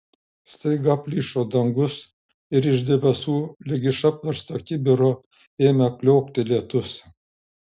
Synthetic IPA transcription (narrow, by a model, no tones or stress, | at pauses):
st̪ɐɪɡɑpʲlʲiːʃoːd̪ɐŋɡʊs | ɪɾɪʒd̪ʲɛbʲɛsuːlʲɪɡʲɪʃɑpʲʋʲɛɾst̪ɐkʲɪbʲɪɾoː | eːmʲɛklʲɔːk̚t̪ʲɪlʲiɛt̪ʊs